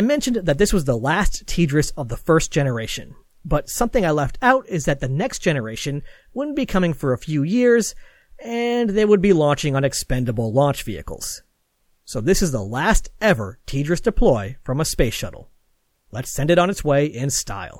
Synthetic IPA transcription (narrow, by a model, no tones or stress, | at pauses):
aɪmɛ̃nʃɨn̩ðɨt̪̚ðɪswʌzðəlæstʰid͡ʒɹɨsʌvðəfɜ˞st̚d̥ʒ̥ɛnə˞eɪʃɨ̰̃n | bʌtsʌ̃mθɪ̃ŋaɪlɛftʰaʊɾɪzðɨt̪̚ðɨnɛksd̥ʒ̥ɛnə˞eɪʃɨ̃n | wʊdⁿn̩b̥ikʰʌmɪ̃ŋfə˞ɨfjʉjɪɹz | ɨ̃nðeɪwəd̚bilɑ̃nt͡ʃɪ̃ŋə̃nɨkspɛ̃ndəbl̩ˠlɑ̃nt͡ʃv̥iɨ̰kl̩ˠz̥ | soʊðɪsɨzðə̰læstɛvə̰˞tʰid͡ʒɹɨsd̥ɨpʰl̥ɔɪfɹʌ̃məspeɪsʃʌ̰ɾl̩ˠ | lətsɛ̃ndɨɾn̩ɨtsweɪʔɪ̃nsta̰ɪlˠ